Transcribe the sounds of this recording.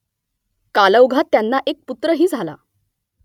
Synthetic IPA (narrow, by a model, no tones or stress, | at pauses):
kaləwɡʱat̪ːjanːaʔek̚put̪ɾəɦiːd͡zʱala̰